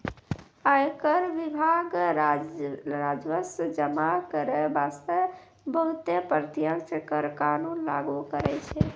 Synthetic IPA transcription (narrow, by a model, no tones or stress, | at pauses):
əjkəɾʋibʱaɡ | ɾad͡ʒʋəsd͡ʒəmakəɾebast̪ə | bəɦut̪epəɾt̪ijəksəkəɾkanunlaɡukəɾɛt͡ʃʰɛ